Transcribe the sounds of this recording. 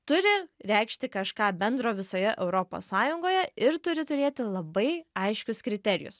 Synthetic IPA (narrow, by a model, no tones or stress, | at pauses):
t̪ʊɾʲɪɾʲɛɪkʃʲt̪ʲɪkɐʃkɑːbʲɛnd̪ɾoːʋʲɪsoːjɛʔɛʊɾoːpo̰ssɑːjʊŋɡoːjɛɪɾt̪ʊɾʲɪt̪ʊɾʲeːt̪ʲɪlˠɐbɐɪɐɪʃʲkʲʊskɾʲɪt̪ʲɛɾʲɪ̰jʊ̰s